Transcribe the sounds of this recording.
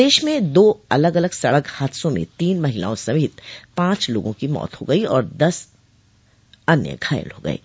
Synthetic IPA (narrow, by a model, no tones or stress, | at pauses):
eːʃmẽd̪oːɐləɡɐləɡsɐɽəkhaːt̪sõmḛ̃t̪iːnmɐɦɪla̰ːõsɐbʱɪt̪pãːt͡ʃlo̰ːɡõkimɔ̰ːt̪ɦoɡɐiɔːɾd̪ɐs | ɐnjə̰ɡʱaːjə̰lɦoːɡɐ̰ḛː